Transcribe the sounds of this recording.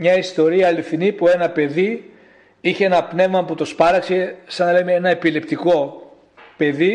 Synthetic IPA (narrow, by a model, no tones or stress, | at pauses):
mɲɐist̪o̞ɾiɐːliθinipue̞nɐpe̞ði | içeenɐpne̞vmɐput̪o̞spɐɾɐksesɐnɐlemeenɐepilept̪iko̞ | pe̞ði